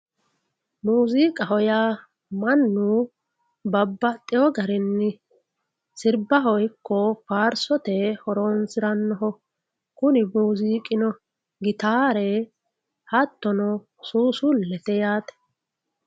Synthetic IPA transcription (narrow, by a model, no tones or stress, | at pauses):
muːziːkʼɐɦɔja | mɐnːu | bɐbːɐt̪ʼːɪjɔɡɐɾɪnːɪ | sɪɾbɐɦɔjkːɔfaːɾsɔt̪ɛhɔɾoːnsɪɾɐnːɔɦɔ | kʊnɪbuːziːkʼɪnɔ | ɡɪt̪aːɾɛ | hɐt̪ːɔnɔ | suːsulːɛt̪ɛjaːt̪ɛ̥